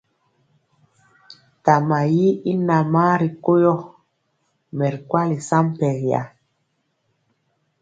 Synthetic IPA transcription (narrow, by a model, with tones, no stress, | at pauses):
ta˨ma˨ji˦i˦na˨maː˦ɾi˨ko˦jɔ˦ | mɛ˨ɾkwa˦li˨sa˦mpɛ˨ɾja̰˨